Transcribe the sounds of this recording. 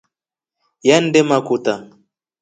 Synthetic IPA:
jan̩dɛmakuta

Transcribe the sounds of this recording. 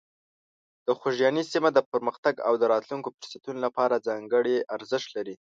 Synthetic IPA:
d̪̥əxoʒjɑnisimad̪əpəɾməxt̪aɡa̰wd̪əɾɑt̪luŋkopɪɾsat̪unolapɑɾad͡zɑŋɡəɽeʔaɾzəʃt̪laɾi

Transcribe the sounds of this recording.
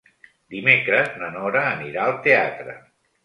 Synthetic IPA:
d̪imekɾəznənɔɾəːniɾaəlˠt̪eat̪ɾə̰

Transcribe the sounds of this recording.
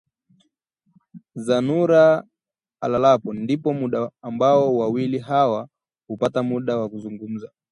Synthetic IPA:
zanuɾa | alalapɔndipɔmuɗaːmbaɔwawilihawa | hupatamuɗawakuzuŋɡum̩za

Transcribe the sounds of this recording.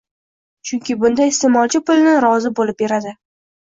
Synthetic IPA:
t͡ʃʰʊŋkʲɪbʊnd̪ajɪst̪emɒlˠt͡ʃʰɪpʊlnɪɾɒzɪbolɪp̚be̞ɾad̪ɪ

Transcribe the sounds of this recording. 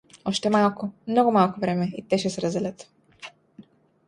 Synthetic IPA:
ɔʃt̪ɛmalˠkʊmnɔɡʊmalˠkʊvɾɛmɛit̪ɛʃɛsɛɾazɛlɛt̪

